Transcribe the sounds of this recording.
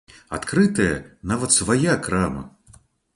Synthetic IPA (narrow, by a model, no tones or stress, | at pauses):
at̪kɾɨt̪ɐjɐnavɐt̪svajakɾamɐ̰